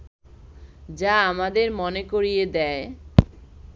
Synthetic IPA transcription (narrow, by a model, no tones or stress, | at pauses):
d͡ʑaamad̪eɾmonekoɾijed̪ɛe